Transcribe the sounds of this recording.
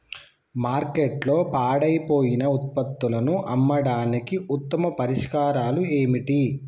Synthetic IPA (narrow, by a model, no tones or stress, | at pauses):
maːɾkeʈlo̞ːpaːɽɐjpo̞ːjinɐut̪̚pɐt̪ːulɐnuʔɐmːɐɽaːnikiʔut̪ːɐmɐpɐɾiʂkaːɾaːlue̞ːmiʈi